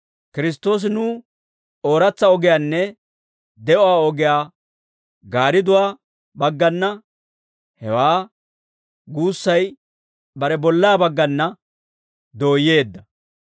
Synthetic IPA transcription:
kɪɾɪs̬t̪ːo̞ːs̬ɪnuː | o̞ːɾɐt͡sːɐɔɡɪjaːnːɛ | d̪ɛʔɔaːɔɡɪjaː | ɡaːɾɪd̪ʊwaː | bɐɡːɐnːɐ | hɛwaː | ɡuːsːɐj | bɐɾɛbɔlːaːbɐɡːɐnːɐ | d̪o̞ːjːe̞ːd̪ːɐ

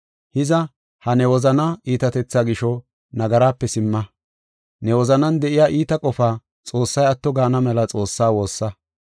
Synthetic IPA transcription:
hɪzɐ | hɐnɛwɔzɐnɐʔiːt̪ɐt̪ɛt͡sːaɡɪʃɔ | nɐɡɐɾaːpːɛsɪmːɐ | nɛwɔzɐnɐnd̪ɛʔɪjaːʔiːt̪ɐkʼɔfaː | t͡sʼo̞ːsːɐjɐt̪ːɔɡaːnɐmɛlɐt͡sʼo̞ːsːaːwo̞ːsːɐ

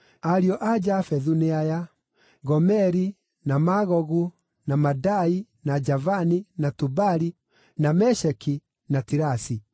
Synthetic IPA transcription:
aɾiɔʔad͡ʒafɛðuneaja | ɣɔmɛɾi | namaɣɔɣu | namadai | nad͡ʒavaninatubaɾi | namɛʃɛki | natiɾasi

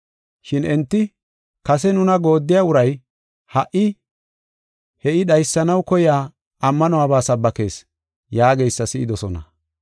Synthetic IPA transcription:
ʃɪnɛnt̪ːɪ | kɐsɛnʊnɐɡo̞ːd̪ːɪjaʊɾɐj | hɐʔɪ | hɛʔɪɗɐjsːɐnɐwkɔjɪaː | ɐmːɐnɔaːbaːsɐbːɐke̞ːs | jaːɡejsːɐsɪʔɪd̪ɔsɔnɐ̰

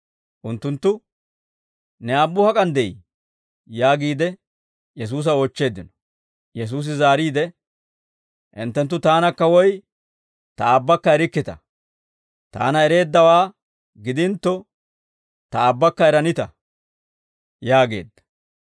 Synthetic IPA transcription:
ʔʊnt̪ːʊnt̪ːʊ | nɛaːbːʊhɐkʼɐnd̪ɛj | jaːɡiːd̪ɛ | jɛs̬uːs̬ɐoːt͡ʃːe̞ːd̪ːɪnɔ̥ | jɛs̬uːs̬ɪzaːɾiːd̪ɛ | ʔɪ̰nt̪ːɛnt̪ːʊt̪aːnɐkːɐwɔj | t̪ɐaːbːɐkːɐɛɾɪkːɪt̪ɐ̰ | t̪a̰ːnɐɛɾe̞ːd̪ːɐwaː | ɡɪd̪ɪnt̪ːɔ | t̪ɐaːbːɐkːɐɛɾɐnɪt̪ɐ | jaːɡe̞̰ːd̪ːɐ̥

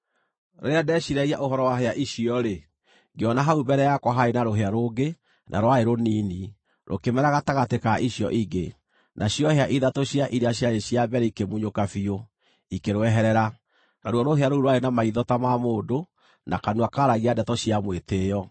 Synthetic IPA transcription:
ɾoɾeadɛɕiɾɛiaʔoɦɔɾɔwaɦeaʔiɕiɔɾe | ŋɡeɔnaɦaubɛɾɛjakwaɦaenaɾoɦeaɾoːɡe | nʔa̰ɾowaeɾoniːni | ɾo̰kemɛɾaɣataɣatekaʔiɕjɔ̰ʔiɡe | nʔaɕiɔheaʔiðatoɕiaʔiɾeaɕjaɾeɕiabɛɾɛikemuɲokafio | ikeɾwɛɦɛɾɛɾa | naɾɔɾoɦeaɾouɾowaenamaiðɔtamamoːdo | nʔa̰kanuakaɾaɣiadɛtɔɕiamwetejɔ

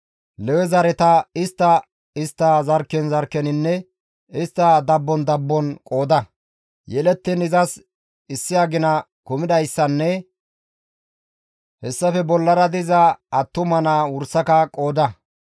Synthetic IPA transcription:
lɛwɛzɐɾɛt̪ɐɪst̪ːɐ | ɪst̪ːɐzɐɾkːɛnzɐɾkːɛnɪnːɛ | ɪst̪ːɐd̪ɐbːɔnd̪ɐbːɔnkʼo̞ːd̪ɐ | jɛlɛt̪ːɪnɪzɐs | ɪsːɪjaːɡɪnɐ | kʊmɪd̪ɐjsːɐnːɛ | hɛsːɐfɛbɔlːɐɾɐd̪ɪzɐːt̪ːʊmɐnawʊɾsɐkɐkʼoːd̪ɐ

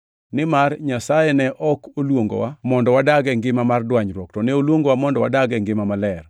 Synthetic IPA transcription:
nɪmarɲasajɛnɛʔɔkolwoŋɡo̰wamɔndɔwadaɡɛŋɡɪmamardwaɲɾwɔktɔneolwoŋɡowamɔndɔwa̰daɡɛŋɡɪmamalɛr

